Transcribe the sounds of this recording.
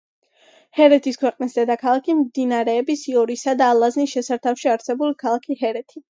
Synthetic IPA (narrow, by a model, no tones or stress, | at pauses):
hɛɾɛt̪ʰiskʰwɛqʼnisd̪ɛd̪akʰalˠakʰimd̪inaɾɛːbisiɔɾisad̪aːlˠaznisʃɛsaɾt̪ʰafʃiaɾsɛbulikʰalˠakʰihɛɾɛt̪ʰi